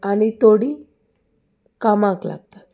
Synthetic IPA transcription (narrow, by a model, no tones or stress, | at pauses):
anit̪oɽi | kamãkla̰ɡt̪ḁt̪